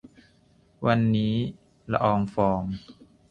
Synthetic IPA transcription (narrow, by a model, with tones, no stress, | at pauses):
wa˧nːiː˦˥ | la̰˧ʔɔː˧ŋfɔː˧ŋ